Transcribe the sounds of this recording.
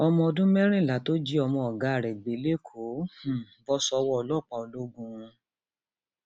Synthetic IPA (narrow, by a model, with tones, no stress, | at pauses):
ɔ˧mɔ̃˧ɔ˧dũ˦mɛ˦ɾ̃ĩ˦˨la˨˦to˦d͡ʒi˦ɔ˧mɔ̃˧ɔ˨ɡa˨˦a˨ɾɛ˨ɡ͡be˨˦le˦˨kʰo˨˦h̩˨bɔ˦sɔ˧wɔ˦ɔ˧lɔ˦˨k͡pa˧˨o˨˧lo˦ɡũ˧ũ˧